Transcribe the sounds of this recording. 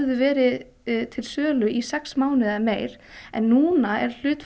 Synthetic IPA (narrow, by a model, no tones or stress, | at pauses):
ðʏvɛːɾɪ | t̪ʰɪlsœːlʏʔisɛksmaːwnɪðameːjɾ̥ | ɛnːuːnaɛɾ̥l̥ʏːt̪f